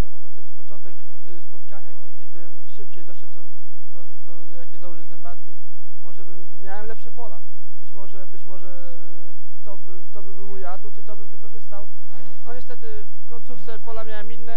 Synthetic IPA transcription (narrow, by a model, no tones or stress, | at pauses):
ɛmɔɡɔt̪sɛɲit͡ɕpɔt͡ʂɔnt̪ɛk | spɔt̪kaɲaɡ̚d͡ʑɛɡd͡ʑɛɡd̪ɘbɘmʂɘp̚t͡ɕejd̪ɔʂwɛt̪t̪sɔ | t̪sɔɔ | jakʲezawɔʐɘɛmbat̪kʲi | mɔʐɛbɘmːʲjawɛmlɛpʂɛpɔla | bɘt͡ɕmɔʐɛbɘt͡ɕmɔʐɛ | t̪ɔbɘt̪ɔbɘbɘmujat̪ut̪it̪ɔbɘmvɘkɔʐɘst̪aw | nɔɲɛst̪ɛt̪ɘ | fkɔɲt̪suft̪sɛpɔlamʲjawɛminːɛ